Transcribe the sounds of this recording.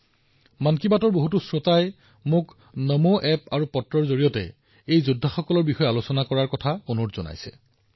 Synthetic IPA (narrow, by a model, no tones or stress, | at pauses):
mankibatɔɹboɦutusɹotaj | mʊk | nɔmoʔɛpaɹupɔtɹɔɹzoɹijɔtɛ̰ | ejzudʱaxɔkɔlɔɹbixɔjɛalosɔnakɔɹaɹkɔtʰaunotz̥ɔna̰jsɛ̰